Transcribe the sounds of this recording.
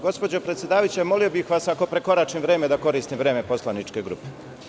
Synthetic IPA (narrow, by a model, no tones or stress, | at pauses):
ɡo̞spod͡ʑopɾet̪sje̞d̪aːajut͡ɕemo̞lio̞bixʋasako̞pɾe̞ko̞ɾaːt͡ʃimʋɾeːmed̪ako̞ɾiːst̪imʋɾeːme̞po̞slanit͡ʃkeɡɾṵːpe